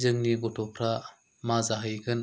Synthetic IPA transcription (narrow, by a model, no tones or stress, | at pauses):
zɯŋniɡɔtʰɔpʰɾa | mazaɦɯjɡɯn